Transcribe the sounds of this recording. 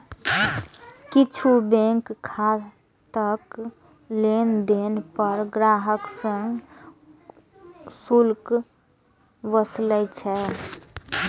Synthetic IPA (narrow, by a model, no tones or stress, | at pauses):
kit͡ʃʰubẽŋkkʰːa | t̪ək | lend̪enpəɾɡɾaɦəksə̃ŋɡ | sulk | bəsləjt͡ʃʰɛ